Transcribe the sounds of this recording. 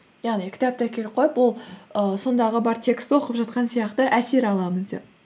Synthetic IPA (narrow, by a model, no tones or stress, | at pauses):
jɑʁnikʲʰɪ̥t̪ɑp̚t̪ɑkʲʰe̞lɪp̚qʰo̞jəpwo̞lˠəso̞nd̪ɑʁəbɑɾt̪ʲʰe̞kst̪wo̞qəpʒɑt̪̚qɑnsijɑqt̪əʔæse̞ɾɑlˠɑməzd̪ḛp